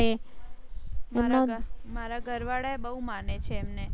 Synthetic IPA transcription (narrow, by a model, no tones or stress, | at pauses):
e | memãmaɾaɡʱəɾʋaɽaebəɦumanet͡ʃʰeːmne